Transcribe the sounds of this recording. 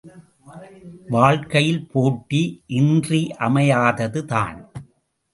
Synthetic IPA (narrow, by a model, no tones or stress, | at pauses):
ʋaːɻkɐjɪlpoːʈːiʔɪndriʔɐmɐjaːðɐðɯða̰ːn